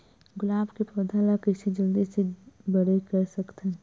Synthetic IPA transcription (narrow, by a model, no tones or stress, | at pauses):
ɡʊlaːbkepɾɔd̪ʱaːlakɪsid͡ʒəld̪esebɐɽekəɾsɐkt̪ɛ̃